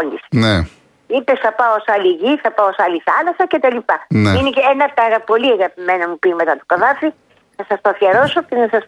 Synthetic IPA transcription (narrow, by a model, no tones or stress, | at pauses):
olisne | ipe̞sθɐpɐoosɐliʝiθɐpɐosɐliθɐlɐsɐce̞t̪ɐlipɐneineenɐpt̪ɐɣɐpo̞liɐŋɣɐpimenɐmupime̞t̪ɐt̪okɐðɐfi | θɐsɐst̪ofiɐɾo̞socenɐsɐs